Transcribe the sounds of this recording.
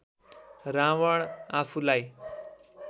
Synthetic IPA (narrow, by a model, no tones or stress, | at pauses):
ɾaʋəɳafulaj